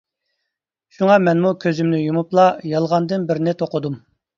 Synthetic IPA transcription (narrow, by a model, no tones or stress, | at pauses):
ʃuŋɑmɛnmukʲʰøzymnɪjumuplˠɑjɑlˠʁɑnd̪ɨnbɪɾnɪt̪ʰoqʊd̪um